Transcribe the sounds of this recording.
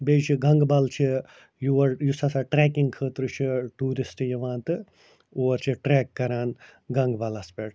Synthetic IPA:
beːt͡ʃʰiɡɐŋɡbɐlt͡ʃʰi | juʋɐɾjusɐsaʈɾeːkiŋɡkʰəːt̪ɾɨt͡ʃʰiʈuːɾisʈɨjɐʋãːnt̪ɨ | oːɾt͡ʃʰiʈɾeːkːɐɾaːnɡɐŋɡbɐlɐspeːʈ

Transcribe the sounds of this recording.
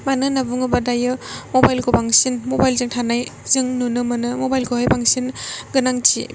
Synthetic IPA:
manɯnabuŋɯbadajɯmobajlkobaŋsinmobajlzɯŋtʰanajzɯŋnunɯmanɯmobajlkʰohajpaŋsinɡɯnaŋtʰḭ

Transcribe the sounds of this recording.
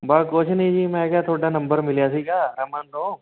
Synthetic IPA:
baːkoːt͡ʃʰnɐĩd͡ʒiːmɛ̃kat̪ʰoːɽanɐ̃mbəɾmɪlijas̬iːkaɾɐmandoː

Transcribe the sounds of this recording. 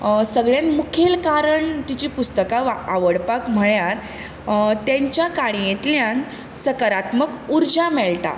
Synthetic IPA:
səɡɭjãnmukʰelkaɾəɳt̪it͡ɕiːpust̪əkaʋaʋəɽpakm̤əɭjaɾ | t̪jãɲt͡ɕjakaɽijet̪ljãn | səkaɾat̪məkuɾd͡ʑamɛɭʈa̰

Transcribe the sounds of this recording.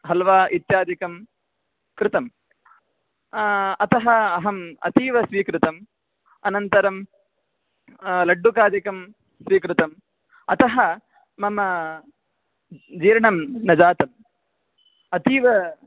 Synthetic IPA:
ɦɐlʋaːʔit̪jaːd̪ikɐm | kɾɪt̪ɐm | ɐt̪ɐɦɐɐɦɐmɐ̰t̪iːʋɐsʋiːkɾɪt̪ɐm | ɐnɐnt̪ɐɾɐm | lɐɖːukaːd̪ikɐm | sʋiːkɾɪt̪ɐm | ɐt̪ɐɦɐ | mɐmɐ | d͡ʒiːɾɐɳɐmnɐd͡ʒaːt̪ɐm | ɐt̪iːʋɐ

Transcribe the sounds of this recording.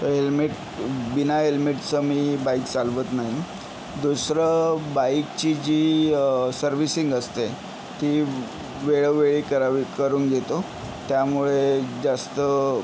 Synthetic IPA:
t̪əɦelmiʈ | binaɦelmiʈt͡səmiːbaikt͡salʋət̪naɦi | d̪usɾəbaikt͡ɕid͡ʑiːsəɾʋisiŋɡəst̪e | t̪iː | ʋeɭəʋeɭikəɾaʋikəɾuːnkɡet̪o | t̪jamuɭed͡zast̪ə

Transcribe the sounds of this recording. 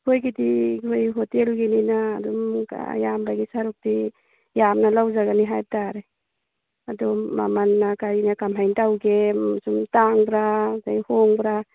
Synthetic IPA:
kʰojɡitiɡʰojɦɔtelɡininaːdɔmka̰jambaɡisaɾuk̚ti | jamnalawzaɡaniɦaj̚taɾe | adɔma̰manːakajnakamɦajntawɡesumtaŋbɾazajhɔŋbɾa

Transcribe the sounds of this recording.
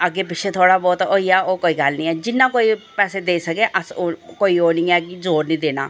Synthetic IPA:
əɡeːpɪt͡ʃʰːet̪ʰoːɽaːbɔːt̪oːiːɛːoːkoːiːɡəlnĩːɛːd͡ʒɪnːãːkoːipɛːseːd̪eːsəkeːʔəsokoːiːoːnĩːɛːkɪzoːɾnĩːd̪eːna̰ː

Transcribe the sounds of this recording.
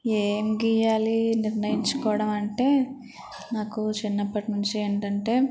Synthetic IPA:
eːmɡiːjaːliniɾnɐjiɲt͡ʃu̥kɔːʋɐɽɐmɐɳʈe̞ː | naːkut͡ʃinːɐpːɐʈnuɲt͡ʃieːɳʈɐɳʈe̞ː

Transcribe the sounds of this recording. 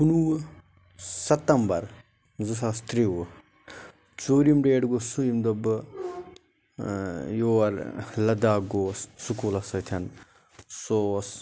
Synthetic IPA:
unu | sɐt̪ɐmbɐɾ | zɨs̬ast̪ɾi | t͡ʃoːɾimɖeːɖɡosujimd̪ɐb | joːɐɾlɐd̪aːɡoːssukuːlɐsɐt̪ʰɐn | soːs

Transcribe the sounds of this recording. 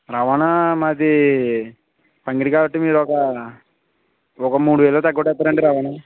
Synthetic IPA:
ɾɐʋaːnamat̪i | pɐŋɡɾikaːʋɐʈːimiːɾɔkɐ | ɔkɐmuːɽuʋɛːlɐloːt̪ɐɡːɔʈːɛt̪ːaːɾɐɳɖiɾɐʋaːna

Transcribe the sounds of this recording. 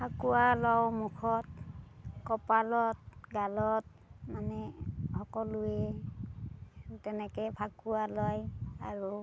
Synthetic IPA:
pʰakuwalɔwmukʰɔt̚ | kɔpalɔt̚ɡalɔt̚ | manɛhɔkɔluɛ | tɛnɛkɛpʰakuwalɔjaɹu

